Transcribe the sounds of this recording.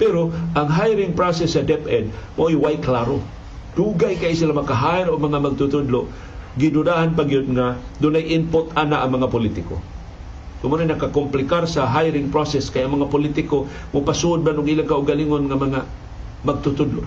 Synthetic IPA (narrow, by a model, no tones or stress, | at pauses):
pɛɾoʔaŋɦajɾɪŋpɾosɛsːɐd̪ɛpɛd̪̚moʔojwajklaɾo | d̥̪uɡajkajisilamakaɦaɪɾoɡ̚mɐŋamaɡ̚t̪ʊt̪ʊd̪lo | ɡɪd̪ʊdahanpaɡijod̪̚ŋad̪ʊnajʔɪmpʊt̪anaʔːŋmɐŋapʊlit̪ɪko̰ | k̪ʊmʊɾajnɐkakʊmplɪkaɾsaɦajɾɪŋpɾosɛskajaŋmɐŋapʊlit̪ɪko | mʊpasuʔʊd̪̚manʊɡʔilaŋkaʔʊɡaliŋonŋamɐŋa | maɡ̚t̪ʊt̪ʊd̪lo̰ʔ